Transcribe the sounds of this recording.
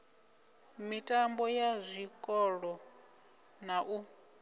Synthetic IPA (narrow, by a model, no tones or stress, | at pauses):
mitʼambɔjazʷikʼɔɺɔ | naʔu